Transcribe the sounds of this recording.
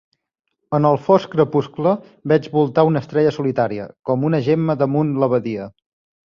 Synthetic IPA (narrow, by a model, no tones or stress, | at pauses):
ənəlˠfɔskɾəpusklə | bɛd͡ʒβulˠt̪aunəst̪ɾɛʎəsulit̪aɾiə̰kɔmunəʒeməðəmunləβəðiə